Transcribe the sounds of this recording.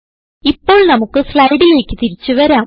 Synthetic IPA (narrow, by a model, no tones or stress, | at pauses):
ipːo̞ːɭnɐmukːɨslɐjɽije̞ːkːɨ̥t̪iɾit͡ɕːuʋɐɾaː